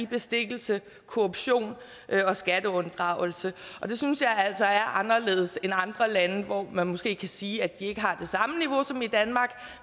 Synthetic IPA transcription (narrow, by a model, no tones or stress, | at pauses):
ib̥e̝sd̥e̝ɡ̥l̩sə | kʰo̝ob̥ɕo̝̰ːn | ʔɒ̽sɡ̥æd̥əɔ̽nd̥ʁɑ̈ʊl̩səʔɒ̽d̥e̝synsjɑ̈ɪæl̰sɒ̽æɐʔɑ̈nɐle̝̰ːð̞ˠse̝nɑ̈nd̥ʁɐlænəʋɒmænmɔsɡ̥e̝̰ːkʰæsiːæd̥ie̝ɡ̥əɦɑ̈d̥e̝sɑ̈məniʋo̝sɒ̽mid̥ænmɑ̈ːɡ̥